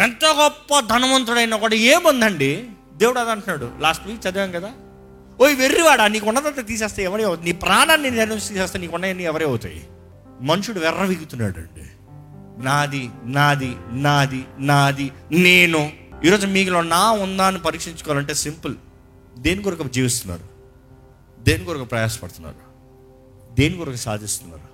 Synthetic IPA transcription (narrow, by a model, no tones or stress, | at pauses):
ɛnt̪oːɡɔpːɐd̪ʱɐnɐmɐnt̪̬uɽɐjnaːkuːɽaːeːmɐnd̪ɐɳɖi | d̪e̞ːwuɽɐd̪ɐɳʈunːaːɽṵlaːsʈʋiːkt͡ʃɐd̪uɡɐŋkɐd̪aː | oːjiʋerːiʋaːɽaniːkunːɐd̪ɐnt̪ːet̪̬iːs̬eːst̪aːjɛʋɐɾeːɐwut̪ɐniːpɾaːnaːnːenneɾist̪iːseɛːst̪aːjniːkuɳːɐjɐnːiɛʋɐɾeɐwut̪a̰ːjḭ | mɐnuʂuɽuʋɛrːɐʋiɡut̪unːa̰ːɽuɐ̰ɳɖḭ | naːd̪inaːd̪inaːd̪inaːd̪ineːnuiːɾoːd͡ʒumiːklo̞ːnaːund̪aːnipɐɾiːkʂiɲt͡ʃukɔʋaːlɐɳʈe̞ːsimpɐl | d̪e̞ːnikɔɾukɐd͡ʒiːʋist̪unːa̰ːɾu | d̪eːnikɔɾukɐpɾɐjaːsɐ̥pɐɽt̪unːa̰ːɾu | d̪eːnikɔɾukɐsa̰ːd̪ʱist̪unːa̰ːɾu